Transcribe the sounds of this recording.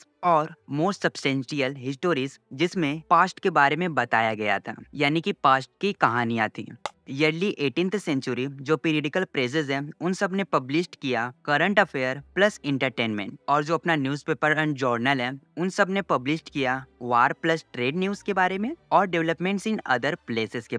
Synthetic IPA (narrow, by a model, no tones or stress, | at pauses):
ɔːɾmoːsʈsɐbsʈɛ̃ːnʃiəlɦɪsʈoːɾiːz | d͡ʒɪsmẽpaːsʈkebaːɾemẽbɐt̪a̰ːjaɡɐja̰t̪ʰa̰ːjaːnikipaːsʈ̚kikɐɦaːnijãt̪ʰḭːjɐɾliʔeːʈĩːnt̪ʰsɛ̃ɲt͡ʃʊɾid͡ʒoːpeːɾiəɖɪkəlpɾeːsɪzɦɛ̃ʊnsɐbnepɐblɪʃʈkijakɐɾə̃ɳʈɐfʰeːəɾplɐsɪ̃ɳʈəɾʈeːnmḛ̃ɳʈɔːɾd͡ʒoːɐpnanjuːzpeːpəɾɛ̃ːɳɖd͡ʒɔːɾnəlɦɛʊnsɐbnepɐblɪʃʈkijaʋaːɾplɐsʈɾeːɖnjuːzkebaːɾemẽɔːɾɖɛʋləpmẽɳʈsɪ̃nɐ̰d̪əɾpleːsɪzke